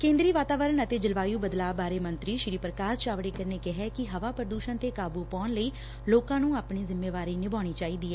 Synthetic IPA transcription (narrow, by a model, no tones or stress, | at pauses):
kẽːnd̪ɾiːʋaːt̪aːʋəɾəɳət̪eːd͡ʒəlʋaːjuːbəd̪laːbaːɾeːmənt̪ɾiːʃɾiːpəɾəkaːst͡ʃaːʋɽeːkəɾneːkɪɦɛːkɪɦəʋaːpəɾəd̪uːʃənt̪eːkaːbuːpɔːnləiː | loːkãːnũːaːpɳiːzɪmːeːʋaːɾiːnɪbaːɽ̃iːt͡ʃaːiːd̪iːɛː